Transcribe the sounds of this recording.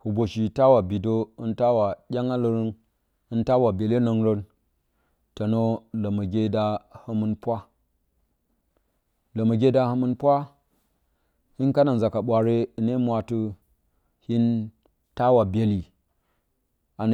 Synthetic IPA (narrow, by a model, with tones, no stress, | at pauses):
hu˨bo˨ʃi˨ta˦wa˨bi˨do˦ɨ˦nta˦wa˨ɗʲa˦ŋa˦lə˨ɾi˦n | ɨ˦nta˦wa˨be˨le˦no˨ŋɾo˦n | to˨no˦lə˨mə˨ɡʲe˦da˦hə˦mɨ˦npʷa˦ | lə˨mə˨ɡʲe˦da˦hə˦mɨ˦npʷa˦ | hi˦nka˦na˨nza˨ka˨ɓʷa˨ɾe˦i˨ne˦mʷ˦a˨tu˦ | hi˦n | ta˦wa˨be˨li˨ | a˨n˨